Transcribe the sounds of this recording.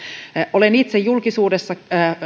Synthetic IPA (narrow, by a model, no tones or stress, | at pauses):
ʔolenit̪sejjulkisuːdesːɑ